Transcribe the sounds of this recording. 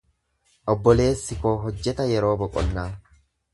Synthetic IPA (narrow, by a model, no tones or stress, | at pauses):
ʔɔbːɔle̞ːsːɪko̞ːɦɔd͡ʒːɛt̪ɐjɛɾo̞ːbɔkʼɔ̰nːaː